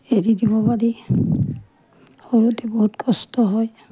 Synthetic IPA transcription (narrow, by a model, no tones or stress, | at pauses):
eɹidibɔpaɹi | hoɹutɛboɦutkʰɔstɔɦɔj